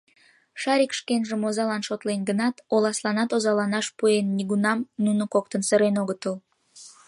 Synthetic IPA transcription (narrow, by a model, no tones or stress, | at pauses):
ʃɑɾikʃkenʒəmozɑlɑnʃot̪lenɡənɑt̪olɑslɑnɑt̪ozɑlɑnɑʃpuenːiɣunɑmnunəkok̚t̪ənsəɾenoɣət̪əl